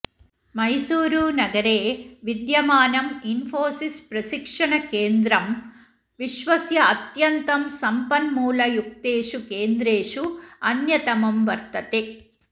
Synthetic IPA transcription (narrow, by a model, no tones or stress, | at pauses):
mɐjsuːɾuːnɐɡɐɾeːʋid̪jɐmaːnɐminfoːsispɾɐsikʂɐɳɐkeːnd̪ɾɐm | ʋiʃʋɐsjɐːt̪jɐnt̪ɐmsɐmpɐnmuːlɐjuk̚t̪eːʂukeːnd̪ɾeːʂuɐnjɐt̪ɐmɐmʋɐɾt̪ɐt̪e